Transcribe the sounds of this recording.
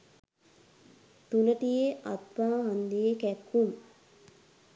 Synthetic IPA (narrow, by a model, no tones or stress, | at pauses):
t̪unəʈijeʔat̪paːɦand̪ijekækːum